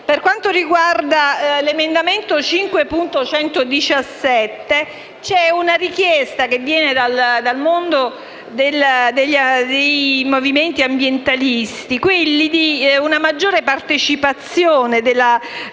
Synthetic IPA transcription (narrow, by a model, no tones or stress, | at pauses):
perkwant̪oriɡward̪alemend̪ament̪ot͡ʃiŋkwepunt̪ot͡ʃɛnt̪od̪it͡ʃasːɛt̪ːe | t͡ʃɛunarikjɛst̪ak̟evːjɛːned̪ald̪almond̪o | d̪eld̪eʎːad̪ejmoviment̪iambjent̪alist̪ikwelːid̪iunamad͡ʒːoːɾepart̪et͡ʃipat̪sːjoːned̪elːa